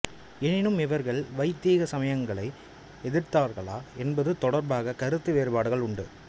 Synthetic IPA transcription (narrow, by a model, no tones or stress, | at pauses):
ɛnɪnɯmɪʋɐɾɣɐɭʋɐɪt̪ːiːɣɐsɐmɐjɐŋɡɐɭɐɪ | ɛðɪɾt̪aːɾɣɐɭaːɛnbɐðɯt̪ɔɽɐɾbaːɣɐkɐɾɯt̪ːɯʋeːɾɯbaːɽɯɣɐɭʊɳɖɯ